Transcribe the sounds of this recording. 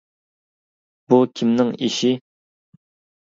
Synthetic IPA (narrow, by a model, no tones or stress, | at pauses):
bukʲʰimnɪŋiʃi